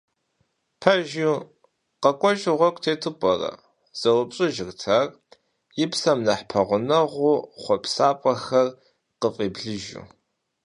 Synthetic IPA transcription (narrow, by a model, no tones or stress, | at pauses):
pʰɐʒu | qɐkʷʼɔʒʼɪʁʷɔkʷʼtʰeːtʰɨpʼɔrɐ̰ | z̥ɐwɐpʼɕʼɨʒɪrtʰar | jɪpsɐmnɐħpʰɐʁʷʊnɐʁʷʊχʷɔpʰsaːpʼɐxɐr | qəfʼeːbɮɨʒṵ